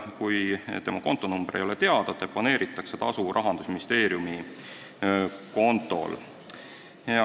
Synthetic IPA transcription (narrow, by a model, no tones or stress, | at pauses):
kujt̪emɑko̞nt̪ːˑo̞numb̥ɾʔejo̞let̪e̞ɑd̪̥ɑt̪ːˑepɑne̞ːɾit̪ːˑɑkse̞t̪ɑsuɾʔɑɦɑnd̪usminist̪e̞ːɾjumi | ko̞nt̪ːˑo̞̰l